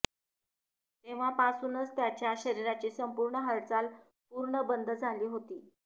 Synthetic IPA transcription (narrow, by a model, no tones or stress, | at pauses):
t̪eʋ̤apasuːnət͡st̪jat͡ɕjaɕəɾiɾat͡ɕiːsəmpuɾɳəɦəɾt͡sal | puɾɳəbənd̪ʱəd͡zʱaliːɦot̪iː